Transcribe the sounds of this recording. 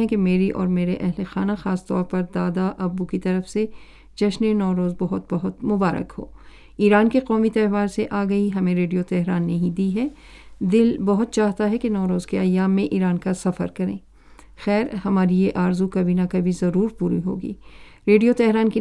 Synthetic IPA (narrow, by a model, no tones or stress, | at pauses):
ɛ̃kemeːɾiʔɔ̰ːɾmeːɾeʔɛɦlexaːnaxaːst̪ɔ̰ːɾpɐɾd̪aːd̪aʔɐbukit̪ɐɾəfse | d͡ʒɐʃnenɔːɾoːzbɐɦʊt̪bɐɦʊt̪mʊbaːɾə̰kho̰ː | iːɾaːnkeqɔːmit̪ɛːʋaːɾseʔaːɡɐiɦɐmẽɾeːɖijot̪ɛɦɾaːnːɐɦĩd̪iːɦɛː | d̪ɪlbɐɦʊt̪̚t͡ʃaːɦt̪aɦɛkenɔːɾoːzkeajaːmːẽʔiːɾaːnkasɐfə̰ɾkɐɾḛ̃ː | xɛːɾhɐmaːɾijeʔaːɾzukɐbʱinakɐbʱizɐɾuːɾpuːɾḭɦo̰ːɡḭːɾeːɖijot̪ɛɦɾaːnki